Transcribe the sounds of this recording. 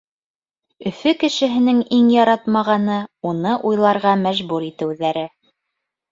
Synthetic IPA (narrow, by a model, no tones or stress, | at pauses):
ɵ̆fɵkɘ̆ʃɘ̆ɦɘ̆nɘŋiŋjɑɾɑt̪mɑʁɑnɤunɤʔujlˠɑɾʁɑmæʒβuɾit̪ɘ̆wðæɾɘ